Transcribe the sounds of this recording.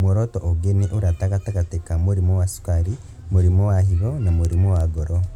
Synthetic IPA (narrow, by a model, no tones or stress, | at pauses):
mɔɾɔtɔʔoɡeneʔoɾataɣataɣatekamoɾimɔwasu̥kaɾi | moɾimɔwaɦiβɔnamoɾimɔwaɡɔɾɔ